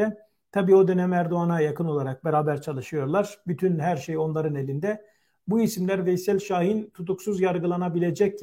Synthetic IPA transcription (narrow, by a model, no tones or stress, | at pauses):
ɛ | t̪ʰabiːo̞d̪ø̞næmæɾd̪uanajakʰɯno̞lˠaɾak̚beɾaːbæɾt͡ʃʰalˠɯʃɯjo̞ɾlˠaɾ̥byt̪ʰynɦæɾʃejo̞nlˠaɾɯnelʲind̪ɛ | buisimlʲæɾvɛisɛlʲʃaːɦint̪ʰut̪uksuzjaɾɡɯlˠanabilʲe̞d͡ʒɛc